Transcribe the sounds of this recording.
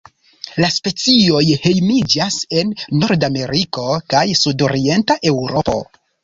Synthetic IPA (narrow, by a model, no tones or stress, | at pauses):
laspe̞t͡sio̞jhe̞jmid͡ʒase̞nːo̞ɾdame̞ɾiko̞kajsudo̞ɾie̞ntaʔe̞wɾo̞po̞̰